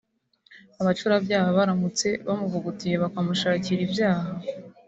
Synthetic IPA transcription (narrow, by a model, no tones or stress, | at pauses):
aβat͡ʃuɾabjaːhaβaɾamut͡se̞βamuvuɡutije̞βakamuʃaːciɾibjaːha